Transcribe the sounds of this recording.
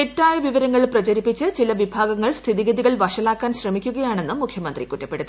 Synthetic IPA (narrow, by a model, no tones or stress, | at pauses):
etːaːjɐʋiʋɐɾɐŋːɐɭprɐt͡ɕɐɾipːit͡ɕːɨt͡ɕilɐʋibʱaːɡɐŋːɐɭst̪ʰiðiɣɐðiɣɐɭʋɐʂɐlaːkːaːnɕrɐmikʲːuɣɐjaːɳe̞nːɨmukʰjɐmɐnd̪rikutːɐpːe̞ɽuðɨ